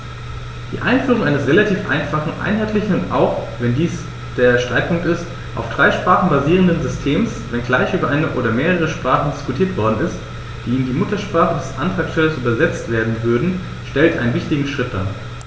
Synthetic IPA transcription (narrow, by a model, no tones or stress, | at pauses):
d̥ḭːʔa̰ɪnfyːʁʊŋaɪnəsʁelatʰiːfʔa̰ɪnfaχn̩ʔa̰ɪnɦaɪtlɪçnʊnʔa̰ʊxvɛndiːs | d̥eːɐʃtʁ̥aɪt̚pʰʊŋk̚tɪst | ʔa̰ʊfd̥ʁaɪʃpʁ̥aːχn̩baziːʁ̞əndənzʏstʰeːmsvɛnɡlaɪçʔyːbɐʔaɪnəʔoːɾɐmeːʁəʁ̞əʃpʁ̥aːχn̩dɪskutʰiːɐtv̥ɔɐdn̩ɪst | d̥iːnndiːmʊtɐʃpʁ̥aːχədɛsʔa̰ntʁ̥aːksfɛləsʔyːbɐzɛt͡stv̥eːɐdn̩vʏɐdn̩ | ʃtɛltʔaɪnənvɪçtɪɡŋ̩ʃʁ̥ɪt̚d̥a̰ː